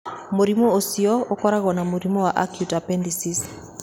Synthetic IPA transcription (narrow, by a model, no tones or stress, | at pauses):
moɾimoosiɔokɔɾaɣɔnamoɾimɔwaʔa̰kjutapɛndisis